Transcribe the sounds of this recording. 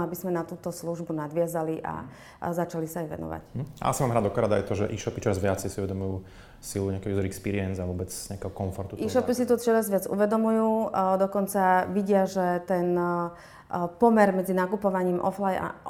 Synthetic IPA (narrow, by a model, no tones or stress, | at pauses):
abizmɛnat̪uːt̪ɔsluʒbunad̪ʋɪazaliʔa̰ | zat͡ʃalisaːjʋɛ̰nɔ̰ʋa̰c̩ɦ̩a̰a̰simaːmɾad̪ɔkɔɾad̪ajt̪ɔʒɛʔiːʃɔpit͡ʃɔɾazʋɪat͡sɛɪsiuʋɛd̪ɔmujuː | siluɲɛakɛjuzɛɾɛkspiːɾiɛnzaʋʊɔbɛt͡sɲɛakɛɦɔkɔɱfɔɾt̪ut̪iːʃɔpisit̪ɔt͡ʃɔɾazʋɪad͡zṵʋɛd̪ɔmujuːd̪ɔkɔnt͡saʋiɟɪaʒɛt̪ɛn | pɔmɛɾmɛd͡zinakupɔʋaɲiːmʔɔflaja̰